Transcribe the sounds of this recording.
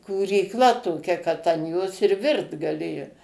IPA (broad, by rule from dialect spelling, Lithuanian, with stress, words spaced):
kuːrʲiːkˈlˠɐ toːˈkʲɛ kɐt ɐn ˈjoːs ɪr ˈʋʲɪrt ɡɐˈlʲeːjoː